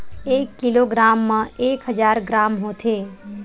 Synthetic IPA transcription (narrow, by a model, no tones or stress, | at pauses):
ekːiloɡɾamːə̃ekɦəd͡ʒaːɾɡɾaːmɦot̪ʰe